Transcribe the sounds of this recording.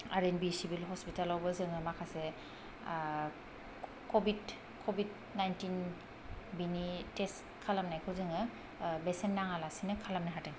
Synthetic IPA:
a̰ɾenbisibilɦɔspitalawbɯzɯŋɯmakʰase | kɔbid | kʰɔbid | najntin | binites | kʰalamnajkʰɯzɯŋɯ | besenːaŋalasinɯkʰalamnajɦatɯŋ

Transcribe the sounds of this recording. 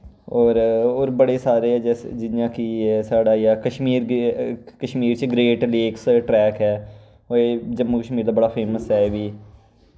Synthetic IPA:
ɔːɾoːɾbəɽeːsaːɾeːɛːd͡ʒɛd͡ʒɪnjãːkiːɛːsaːɖaːjaːkəʃmiːɾ | kəʃmiːɾt͡ʃɡɾeːʈleksʈɾɛːkɦɛː | oeːd͡ʒəmːukəʃmiːɾd̪aːbəɽaːpʰeːməsɦɛːʋiː

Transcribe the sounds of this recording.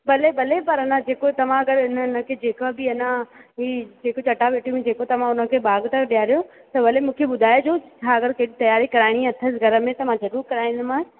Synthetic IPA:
bɐlebɐlepɐɾɐnãd͡ʑeːkot̪ɐʋ̤ãɐɡəɾɪnənə̆kʰeːd͡ʑeːkabɪɐnãɦiːd͡ʑeːkot͡ɕɐʈaʋeːʈʰijum̃d͡ʑeːkot̪ɐʋ̤ãʊnə̆kʰeːɓaːɡt̪ɐɗijaːɾijõ | t̪ɐʋɐlemũːkʰeɓʊd̪ʱaːjed͡ʑoːt͡ɕʰaɐɡəɾkɐɦɪɽit̪ɐjaːɾikɐɾaːɪɽ̃iɐt̪ʰəsɡʱɐɾə̆mẽt̪ɐʋ̤ãzɐɾuːɾkɐɾaːiɪ̃nd̪ɪmãː

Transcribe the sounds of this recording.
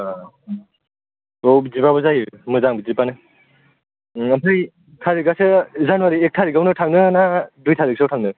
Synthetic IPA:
owbizipabɔzajɯmɯzaŋbizipanɯ | ampʰɯj | tʰaɾiɡasɯzanwaɾiek̚tʰaɾiɡawnɯtʰaŋnɯnadujtʰaɾiksɔwtʰaŋnɯ

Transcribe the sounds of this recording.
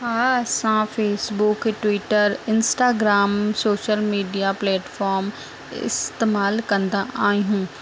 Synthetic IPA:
ɦaːɐsãfʰeːsbʊkʈwiːʈəɾɪnsʈaːɡɾaːmsoːʃəlmiːɖijaplɛːʈfɔːɾm | ɪ̰st̪eːmaːlkɐ̃nd̪aʔaːiɦũː

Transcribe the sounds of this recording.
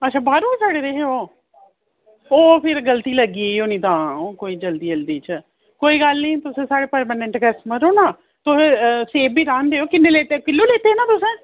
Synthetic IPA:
ətːʃʰaːbaːɾuːsaːɽeːɾeɦeoː | oːpʰɪɾɡəlt̪iːləɡiːoːnĩːt̪ãːoːkoːiːd͡ʒəld̪iːd͡ʒəld̪iːt͡ʃ | koːiːɡəlnĩːt̪ʊsẽːsaːɽeːpəɾmaːnẽɳʈɡɛsməɾoːnaː | t̪ʊsẽːseːbiːɾãːnd̪eːoːkɪnːeːleːt̪eːkɪlːuːleːt̪eːnãːt̪ʊsẽː

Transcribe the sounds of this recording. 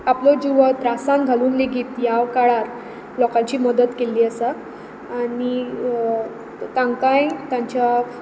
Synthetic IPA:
aplɔd͡ʑiʋət̪ɾasãnɡʱaluːnleɡiːt̪jaʋkaɭaɾ | lɔkãɲt͡ɕiːməd̪ət̪keliːəsaː | ni | t̪ãŋkãjt̪ãɲt͡ɕa

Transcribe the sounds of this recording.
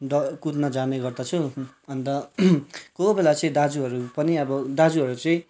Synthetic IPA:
d̪ʌkut̪nʌd͡zaneɡʌrd̪at͡sʰu | ʌnt̪ʌ | kobelat͡sʌĩd̪ad͡zuʌɾupʌniʌbʌd̪ad͡zuɦʌɾut͡sʌĩ

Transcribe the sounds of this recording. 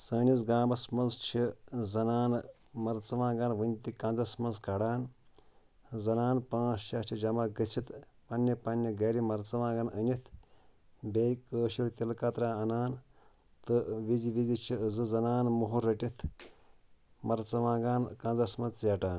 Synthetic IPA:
sɐːnizɡãːmbɐsmɐnzt͡ʃʰizɐnaːn | mɐɾt͡sɐʋãːɡanʋɨnʲt̪ikɐ̃nzɐsmɐnskɐɽaːn | zɐnaːnpãːsʃast͡ʃʰid͡ʒɐmaɡɐt͡ʃʰit̪ | pɐnːɐpɐnːiɡɐɾimɐɾt͡sɐʋãːɡɐnɐnʲit̪ʰ | bekəːʃiɾt̪ʲilkɐt̪ɾaːɐnaːn | t̪ɨʋiziʋizit͡ʃʰizɨzɐnaːnmuɦuɾɐʈit̪ʰ | mɐɾt͡sɐʋãːɡaːnkɐ̃nd͡zɐsmɐnt͡sjɐʈaːn

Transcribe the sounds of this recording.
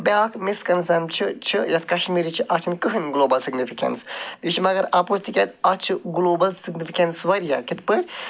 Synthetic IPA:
bɛːkmiskɐnzɐmt͡ʃʰɨt͡ʃʰɨjɐskɐʃmiɾʲit͡ʃʰɨʔat͡ʃʰɨnkɨɦɨnɡloːbɐlsiɡnifikɐ̰nsbiʃimɐɡɐɾapost̪ikʲɛt̪at͡ʃʰɨɡloːbɐlsiɡnifikʲɐnsʋɐɾʲjakʲit̪pəɾʲ

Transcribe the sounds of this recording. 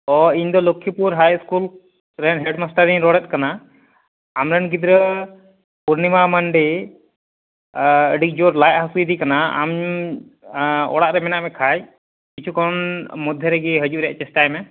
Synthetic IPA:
ɔiɲd̪ɔlokʰːjipuɾɦajskul | ɾɛnɦɛɖmasʈəɾiɲɾɔɽɛt̪̚ˀkanaː | mɾɛnɡid̪ɾə | puɾnimaməɳɖe | əɖik̚d͡ʒoɾlajt̪̚ɦəsuid̪ikanaa̰m | ɔ̰ɽaʔɾɛmɛnaʔmɛkʰaj | kit͡ʃʰukɔnmud̪ʱjəɾɛɡɛɦəd͡ʒuʔɾɛja̰ʔt͡ʃɛsʈajmɛ

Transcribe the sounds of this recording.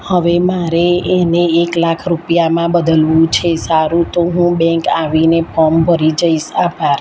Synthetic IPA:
həʋemaɾeːneːklakʰɾupjamãbəd̪əlʋũt͡ʃʰesaɾũt̪oɦũbɛ̃ŋkaʋinepʰɔmbʱəɾid͡ʒəiʃapaɾ

